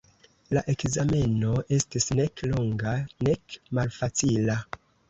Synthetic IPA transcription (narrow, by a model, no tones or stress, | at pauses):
laʔe̞kzame̞no̞ʔe̞stisne̞kloŋɡane̞kmalfat͡sila